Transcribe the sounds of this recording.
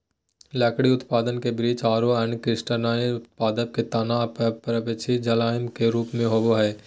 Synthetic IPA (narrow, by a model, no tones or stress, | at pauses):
lɛːkɽiʊt̪paːd̪ənkebɾiːt͡ʃaːɾoɛ̃ːɳɖkɾɪsʈənaːiʊt̪̚paːd̪ək̚kːet̪aːnaːpɐpɾəbɪt͡ʃʰid͡ʒɐlaːəmkeɾuːpmẽɦoːboɦɛː